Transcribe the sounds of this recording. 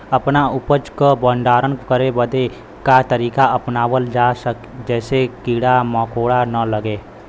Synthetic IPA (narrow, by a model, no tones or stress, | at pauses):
ɐpnaʊpət͡ʃkəbə̃nɖaːɾənkəɾebəd̪e | kat̪əɾiːkaɐpnaːwəld͡ʒaːsək | d͡ʒɛːsekiːɽamɔːkoːɽanələɡeː